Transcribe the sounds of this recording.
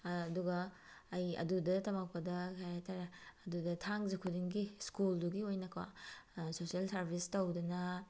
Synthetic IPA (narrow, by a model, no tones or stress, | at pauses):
ɐduɡɐː | jɐ̰dudɐtɐmak̚pɐdɐkʰajatʰaɾeɐdudɐtʰaŋzikʰudiŋɡiskulduɡiojnɐkʰwɐ̰sosielsɐɾbʱistɐwdɐnɐ